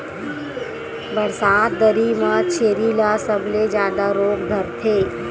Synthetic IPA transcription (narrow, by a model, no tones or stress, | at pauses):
bəɾsaːt̪̚d̪əɾimãt͡ʃʰeːɾilasəbled͡ʒãːd̪aɾoːkd̪ʱəɾt̪ʰeː